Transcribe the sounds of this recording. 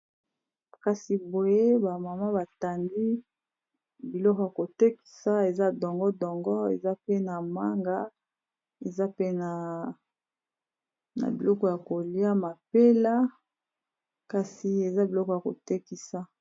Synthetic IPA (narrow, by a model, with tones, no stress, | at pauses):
ka˨si˨bo˨je˦ba˨ma˨ma˦ba˨ta˨ndi˦ | bi˨lɔ˦kɔ˨ja˨ko˨te˦ki̥˨sa˦e˨za˦dɔ˨ŋɡɔ˦dɔ˨ŋɡɔ˦ḛ˨za˦pe˦na˨ma˦ŋɡa˦ | e˨za˦pe˦na˨ | na̰˨bi˨lɔ˦kɔ˦ja˨ko˨li˦a˦ma˨pe˦la˦ | ka˨si˨e˨za˦bi˨lɔ˦kɔ˨ja˨ko̰˨te˦ki˦sa˦